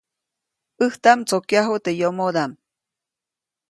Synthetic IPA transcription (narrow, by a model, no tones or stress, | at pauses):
ɨht̪amt͡sokjaɦot̪ejomod̪am